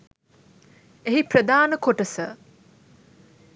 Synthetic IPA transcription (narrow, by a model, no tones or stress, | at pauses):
eɦipɾəd̪aːnəkoʈəsə